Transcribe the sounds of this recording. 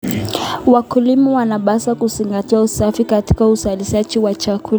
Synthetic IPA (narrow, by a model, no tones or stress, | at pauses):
wakulimɔwanaɓasakuziŋɡatiausafikati̥kauzaliʃat͡ʃiwat͡ʃakʰul